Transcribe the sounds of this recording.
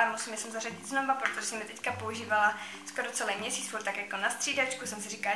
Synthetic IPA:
amusiːmjasɛmzarɛɟɪt̪znobapɾot̪oʒɛsɛmjɛt̪ɛckapouʒiːvala | skoɾot͡sɛlɛjmɲɛsiːt͡sfuɾt̪ːakjakonast̪r̝̥iːdat͡ʃkusɛmsɪrika

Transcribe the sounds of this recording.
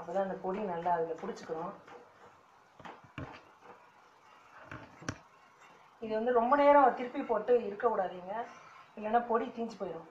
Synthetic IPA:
ɐpːɐːt̪ãːɪnd̪ɐpɔɽinɐlːaːɐðɯkːɐpʊɽɪt͡ʃːɯkːɯɾʊ̃ | ɪðɯʋɐnd̪ɯɾɔmbɐneːɾɐ̃t̪ɪɾɯpːipoːʈːɯɪɾɯkːɐkʊɽaːðiːŋɡɐɪŋɡɐnːaːpɔɽit̪iːɲd͡ʒipoːjɪɾʊ̃

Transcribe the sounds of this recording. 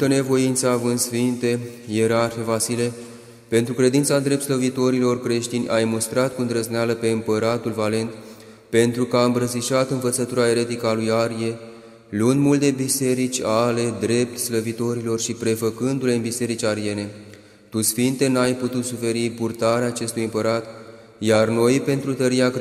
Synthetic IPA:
t̪əne̞vo̞int̪saːvɨnd̪sfint̪e̞jeɾarfe̞vasile̞ | pe̞nt̪ɾukɾe̞d̪int̪sad̪ɾet̪sləvit̪o̞ɾilo̞rkɾe̞ʃt̪inʲʔajmust̪ɾat̪̚kund̪ɾəznealəpe̞ɨmpəɾat̪ulvale̞nt̪ | pe̞nt̪ɾukəaɨmbɾəsiʃat̪ɨnvət̪sət̪uɾae̞ɾe̞t̪ikəalujaɾje̞ | lund̪mult̪e̞bise̞ɾit͡ʃʲale̞d̪ɾe̞p̚t̪sləvit̪o̞ɾilo̞rʃipɾe̞fəkɨnd̪ule̞ɨnbise̞ɾit͡ʃaɾije̞ne̞ | t̪usfint̪e̞najput̪ut̪sufe̞ɾipurt̪aɾeaːt͡ʃe̞st̪ujɨmpəɾat̪ | jarno̞jpe̞nt̪ɾut̪əɾiak

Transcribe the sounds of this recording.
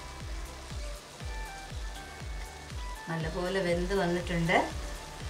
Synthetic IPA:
nɐlːɐpo̞ːlebe̞nd̪ɨʋɐnːiʈːuɳɖɨ

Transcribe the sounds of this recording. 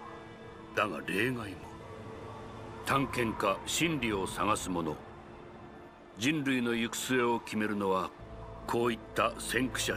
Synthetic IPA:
d̪aɡa̰ɾe̞ːɡaini | t̪ãŋkẽ̞ŋkaɕĩnɾʲio̞saɡasɨmo̞no̞̰ | d͡ʑĩnɾɯ̟ino̞jɯkɯ̥sɨe̞o̞kʲʰime̞ɾɯ̟no̞βakʰo̞ːit̪ːasẽ̞ŋkɯ̟̥ɕa

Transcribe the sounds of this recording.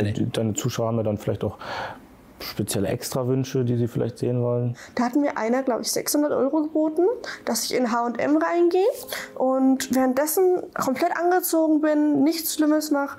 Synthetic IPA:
d̥aɪnət͡suːʃaʊɐhaːm̩viːɐdanfɪlaɪçtaʊx | ʃpet͡sjɛləʔɛ̰kstʁ̥avʏnʃədiːziːfɪla̰ɪçtz̥eːənvɔlənd̥aːhatn̩miːɐʔa̰ɪnɐɡlaʊbəɪçz̥ɛ̰kshʊndɐtʔɔ̰ʏʁoɡəboːtn̩d̥asɪçɪnɦaːʊntʔɛ̰mʁaɪnɡeːəʔʊntvɛːʁənt̚d̥ɛsn̩kʰɔmplɛtʔanɡət͡soːɡŋ̩bɪnːɪçt͡sʃlɪməsnaːχ

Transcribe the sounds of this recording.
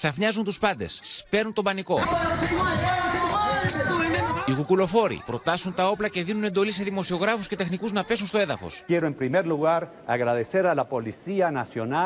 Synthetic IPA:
sɐfɲɐzunt̪uspɐnd̪e̞̰spe̞ɾnunt̪o̞mbɐniko̞ | iɣukulo̞fo̞ɾḭpɾo̞t̪ɐsunt̪ɐo̞plɐce̞ðinune̞nd̪o̞lis̬e̞ðimo̞sio̞ɣɾɐfusce̞t̪e̞xnikuznɐpe̞s̬unst̪o̞e̞ðɐfo̞̰sjeɾoempɾimeɾluɣaɾ | aɣɾaðe̞se̞ɾalapo̞lisianasjo̞na

